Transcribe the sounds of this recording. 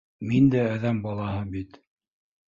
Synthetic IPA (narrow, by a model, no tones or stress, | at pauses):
mind̪ææðæmbɑlˠɑhɤbit̪